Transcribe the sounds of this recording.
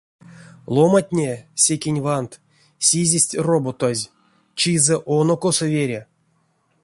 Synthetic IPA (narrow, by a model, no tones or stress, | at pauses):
lˠomatʲnʲesʲekʲenʲvant̪ | sʲizʲesʲtʲrobot̪ozʲ | t͡ʃizɛʔonokosovʲeɾʲa